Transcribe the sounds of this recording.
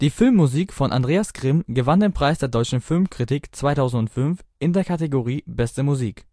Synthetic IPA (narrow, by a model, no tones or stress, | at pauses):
d̥iːfɪlmːuziːkfɔnʔa̰ndʁeːasɡ̥ʁ̥ɪmɡəvandeːnpʁ̥aɪsd̥eːɐdɔʏt͡ʃn̩fɪlmkʁ̥itikt͡sv̥aɪtʰaʊzn̩tʊntfʏnfʔɪndeːɐkʰateɡoʁiːbɛstəmuziːk